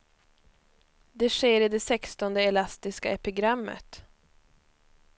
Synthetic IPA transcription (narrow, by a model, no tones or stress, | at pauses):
d̪ɛʂeːɾɪd̪ɛsɛkst̪ɔnd̪əɛlast̪ɪskaɛpɪɡɾamːə̰t̪